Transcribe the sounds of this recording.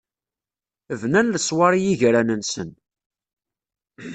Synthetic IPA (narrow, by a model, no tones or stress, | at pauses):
əvnænləsˤwɑɾˤijiʝɾænənsə̰n